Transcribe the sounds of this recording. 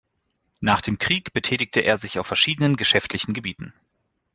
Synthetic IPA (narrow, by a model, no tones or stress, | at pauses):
naːχd̥eːmkʁ̥iːkb̥ətʰɛːtɪç̚tʰəʔḛːɐzɪçaʊfːɛɐʃiːdənənɡəʃɛftʰlɪçn̩ɡəbiːtn̩